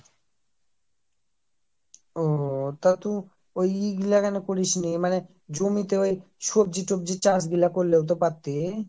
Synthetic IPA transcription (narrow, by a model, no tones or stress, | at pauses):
ot̪at̪u | ojiɡilakanekoɾiʃnimane | d͡ʑomit̪eoj | ʃob̚d͡ʑiʈob̚d͡ʑit͡ɕas̬ɡilakoɾlewt̪̬opat̪ːe